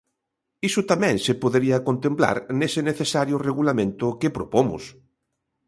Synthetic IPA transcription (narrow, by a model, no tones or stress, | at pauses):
isʊt̪amɛ̃ŋsepoðeɾiɐkont̪empla̰ɾnesɪneθesaɾjʊreɣulamẽnt̪ʊkɪpɾopomʊ̰s